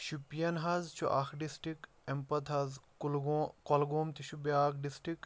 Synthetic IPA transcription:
ʃupijɐnɦɐzt͡ʃʰṵʔaxɖisʈik | empɐt̪ɦɐzkulɡkɔlɡoːmt̪iʃubjaːkɖisʈɾik

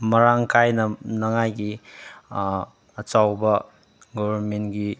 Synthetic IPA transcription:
mɐɾaŋkʰajnɐnɐŋajɡi | ɐt͡ʃawbɐ | ɡɔbʱɐnmentɡi

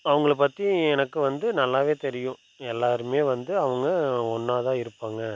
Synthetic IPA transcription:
ɐʋɐŋɡɐɭpːɐt̪ːiɛnɐkːɯʋɐnd̪ɯnɐlːaːʋeːt̪ɛɾɪjʊ̃ | ɛlːaːɾɯmeːʋɐnd̪ɯɐʋɐŋɡɐɔnːaːðãːɪɾɯpːaːŋɡɐ

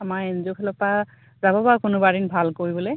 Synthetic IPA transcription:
amaenzukʰɛlɔpa | zabɔbakʊnʊbaɹinbʱalkoɹibɔle

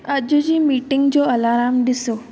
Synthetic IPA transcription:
ad͡ʑud͡ʑiːmiʈiŋɡt͡ɕɔəlaɾamd̪iso

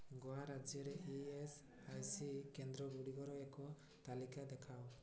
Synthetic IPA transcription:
ɡɔaɾad͡ʒjɔɾɛʔies | ajsikɛnd̪ɾɔɡuɽiɡɔɾɔɛkɔ | t̪alikad̪ɛkʰaw

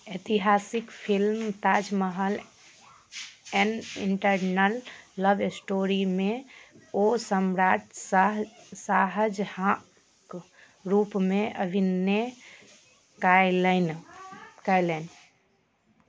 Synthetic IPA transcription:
et̪iɦasikpʰilmt̪ad͡ʒməɦəl | ɛnḭɳʈəɾnəlːəbisʈoɾimẽ | osəmɾaʈs | saɦəd͡ʒhã | k | ɾupmeʔəbʱinːe | kalən | kajlən

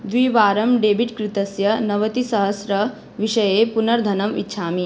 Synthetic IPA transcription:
d̪ʋiːʋaːɾɐmɖeːbiʈkɾɪt̪ɐsjɐnɐʋɐt̪isɐɦɐsɾɐ | ʋiʃɐjepunɐɾd̪ʱɐnɐmḭtːʃʰaːmi

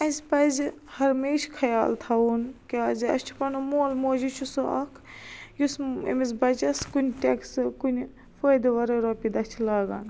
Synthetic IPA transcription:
ɐzʲpɐzi | hɐɾmeːʃkʰɐjaːlt̪ʰɐunkiaːziɐ̰st͡ʃʰu̥pɐnumoːlmoːd͡ʒit͡ʃʰusoɐ̰kʰjusɐ̰miz̬bɐt͡ʃɐskunʲʈʲeksɨkun | foːd̪iʋɐɾɐɾoːpid̪ɐt͡ʃʰilaːɡa̰ːn

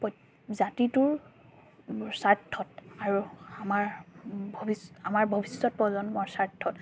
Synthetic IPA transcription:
p | zatitʊɹ | saɹtʰːɔtaɹuamaɹbʱɔbisamaɹbʱɔbisːɔt̚pɹɔzɔnmɔɹsaɹtʰːɔt

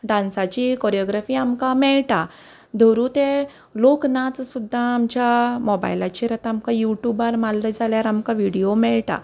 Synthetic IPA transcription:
ɖãnsat͡ɕikɔɾjɔɡɾafiːamkamɛɭʈa | d̪ʱəɾũt̪ẽ | loknat͡ssud̪ʱːãːmd͡ʑjamɔba̰jlat͡ɕeɾat̪ãːmkajuʈjubaɾmalːəd͡zaljaɾamkaʋiɽijomɛɭʈa̰

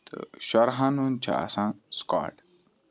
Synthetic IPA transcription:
d̪̥ə̰ʃaɾɦanunt͡ʃʰa̰ːsãnska̰ːʈ

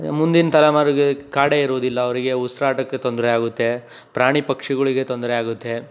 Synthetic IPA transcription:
mund̪inɐt̪ɐlɐmaːɾuɡekaːɽeiɾuːd̪ilːɐːʋɐɾiɡe̞usɾaːʈɐkːet̪ond̪ɾɛaːɡut̪ːe̞ | pɾaːɳipɐkʂiɡɐɭiɡe̞t̪ond̪ɾɛaːɡut̪ːe̞

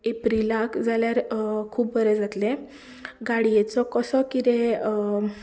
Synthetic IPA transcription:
epɾilakd͡zaljaɾkʰuːpbəɾed͡zʱat̪lẽ | ɡaɽijet͡sɔkəsɔkid̪ẽ

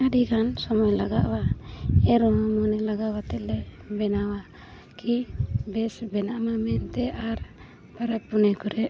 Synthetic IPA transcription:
aɖikʰansɔmɔjlaɡaʔwaɛɾɔɦɔmɔnɛlaɡawat̪ɛʔlɛ | bɛnawa | kibɛsbɛnaʔmamɛnt̪ɛʔaɾ | paɾapunɛkuɾɛʔ

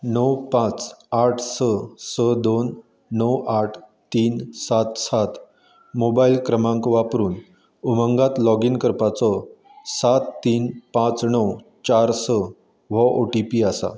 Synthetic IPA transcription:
nəwpãt͡saʈʰsəsəd̪onː | əwaʈʰt̪iːnsat̪sat̪ | mobailkɾəmãŋkʋapɾuːn | umə̃ŋɡat̪lɔɡinkəɾpat͡sɔ | sat̪ːiːnpãt͡snəw | t͡ɕaɾsə | ʋɔʔoʈipiːasa̰

